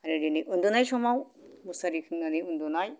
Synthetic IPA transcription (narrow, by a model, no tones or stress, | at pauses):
aɾɯɾiniʔund̪unajsɔmawmusaɾikʰɯŋnaniund̪unaj